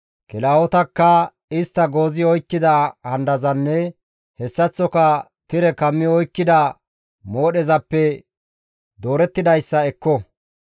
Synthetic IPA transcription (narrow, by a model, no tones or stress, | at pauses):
kɪlaːwɔt̪ɐkːɐ | ɪst̪ːɐɡo̞ːzɪɔjkːɪd̪ɐhɐnd̪ɐzɐnːɛ | hɛsːɐt͡sːɔkɐ | t̪ɪɾɛkɐmːɪɔjkːɪd̪ɐ | moːɗɛzɐpːɛ | d̪o̞ːɾɛt̪ːɪd̪ɐjsːɐɛkːɔ